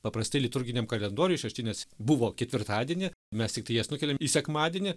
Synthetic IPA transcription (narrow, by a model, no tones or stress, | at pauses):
pɐpɾɐst̪ɐɪlʲɪt̪ʊɾʲɡʲɪnʲɛmkɐlʲɛnd̪oːɾʲʊːʃʲɛʃʲt̪ʲiːnʲɛsbʊʋoːkʲɛt̪ʲʋʲɪɾt̪ɑːd̪ʲiɛnʲɪmʲɛst̪ʲɪk̚tɐɪjiɛsnʊkʲɛlʲɛmiːsʲɛkmɑːd̪ʲeɛnʲɪ